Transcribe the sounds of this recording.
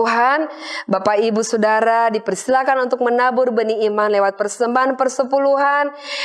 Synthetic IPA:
uɦan | bapaibusodaɾadipərst̪ilakanunt̪ʊk̚mənabʊrbəniːmanlewat̪̚pərsəmbaɦanpərsəpuluɦan

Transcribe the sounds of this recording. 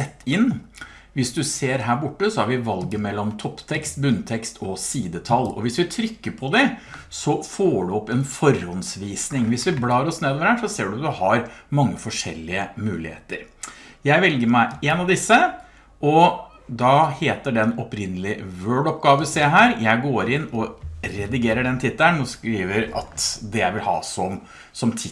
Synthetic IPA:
ɛt̪ːɪnː | ʋɪsd̪ʉseːɾɦæːɾbʊʈːəsɔhæɾʋɪʋɑlɡəmɛlːɔmt̪ʰɔpːt̪ʰɛkst̪bʉnt̪ʰɛkst̪ʰɔsiːd̪ət̪ʰɑlːɔ̰ʋɪsʋɪt̪ʰɾʏkːəpʰɔd̪ɛsɔfoːɖʉɔpːɛnfɔɾhɔnsʋiːsnɪŋʋɪsʋɪblɑːɾɔsneːd̪oːʋəɾhæːʂɔseːɖʉd̪ʉhɑɾmɑŋːəfɔʂɛ̰lːɪəmʉːlɪ̰hḛːt̪əɾjæɪʋɛlɡəmæɪeːnɑʋd̪ɪsːə | ʔɔ | d̪ɑheːt̪əɖɛnɔpɾɪnːəlɪʋøːɖɔpɡɑːʋəɪseːɦæːɾjæɪɡoːɾɪnːɔɾɛd̪ɪɡeːɾəɖɛnt̪ʰɪt̪ːnɔskɾiːʋəɾɑ̰t̪d̪ɛjæ̰ɪʋɪlhɑ̰ːsɔm | sɔmt̪ʰɪ

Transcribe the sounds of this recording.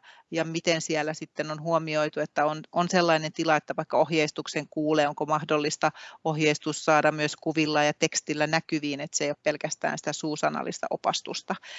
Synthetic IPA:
jɑmit̪ensiælːæsit̪ːenonhuomioit̪uet̪ːæononselːɑinent̪ilɑet̪ːæʋɑikːɑohjeist̪ukseŋkuːleːoŋkomɑhdolːist̪ɑohjeist̪ussɑːdɑmmyøskuʋilːɑːjɑt̪ekst̪ilːænækyʋiːnet̪sejoppelkæst̪æ̰ːnsĭ̥t̪æsuːsɑnɑ̰lːist̪ɑ̰ʔopɑ̰st̪ust̪ɑ

